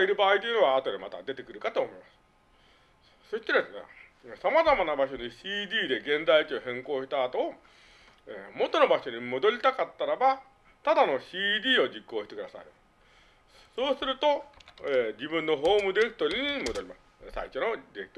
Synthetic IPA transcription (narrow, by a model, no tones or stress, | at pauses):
iɾɯ̟baːit̪oiɯ̟noaːt̪o̞d̪emat̪a̰d̪e̞t̪e̞kɯ̟ɾɯ̟kat̪oːmo̞imasɨ̥ | so̞ɕi̥t̪eɾaḛsamazamanabaɕo̞niɕiːd̪ʲiːd̪e̞ɡẽ̞nzait͡ɕioɦẽ̞ŋko̞ːɕi̥t̪aːt̪o̞ː | emo̞t̪o̞no̞baɕo̞ɲ̟imo̞d̪o̞ɾʲit̪akat̪ːaɾaba | t̪ad̪ano̞ɕiːd̪ʲiːo̞d͡ʑikːo̞ːɕi̥t̪e̞kɯ̟d̪asa̰i | so̞ːsɨɾɯ̟t̪o̞ed͡ʑibɯ̟̃nːo̞ɦo̞ːmɯd̪eekɯ̟̥t̪oɾʲiɲ̟imod̪oɾʲimasɨ̥sa̰iɕonod̪eɾekɯ̟t̪o